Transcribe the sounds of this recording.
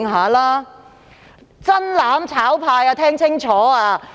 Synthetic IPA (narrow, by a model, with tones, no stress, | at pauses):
ŋɦaː˨˦laː˥ | t͡sɐ˥nlaː˨˥mt͡sʰaː˨˥wpʰaː˧jaː˧t̪ʰɛː˥ŋt͡sʰɪ˥ŋt͡sʰɔː˨˥aː˧